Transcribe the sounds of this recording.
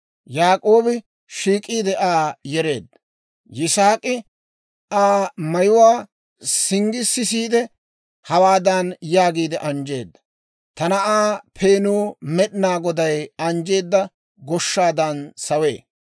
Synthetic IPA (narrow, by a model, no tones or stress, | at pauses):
jaːkʼo̞ːbɪ | ʃiːkʼiːd̪ɛʔaːjɛɾe̞ːd̪ːɐ | jɪsaːkʼɪ | aːmɐjʊwaː | sɪŋɡɪsːɪsiːd̪ɛ | hɐwaːd̪ɐnjaːɡiːd̪ɛʔɐnd͡ʒe̞̰ːd̪ːɐ̥ | t̪ɐnɐʔaːpʰe̞ːnuːmɛɗɪnaːɡɔd̪ɐjɐnd͡ʒe̞ːd̪ːɐ | ɡɔʃːaːd̪ɐnsɐwḛː